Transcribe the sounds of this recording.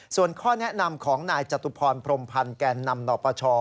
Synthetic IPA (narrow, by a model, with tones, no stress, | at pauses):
su˨˩ənkʰɔː˥˩nɛ˦˥ʔna˧mkʰɔː˩˦ŋnaː˧jt͡ɕa˨˩t̪ːu˧pʰɔː˧npʰɾo˧mpʰa˧nkɛː˧nːa˧mnɔː˨˧˩pɔː˧t͡ɕʰɔː˧